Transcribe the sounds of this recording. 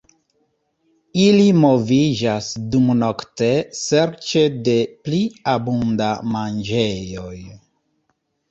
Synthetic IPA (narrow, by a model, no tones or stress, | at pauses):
ilimo̞vid͡ʒasdumnoktese̞ɾt͡ʃe̞de̞pliabundamand͡ʒejo̞j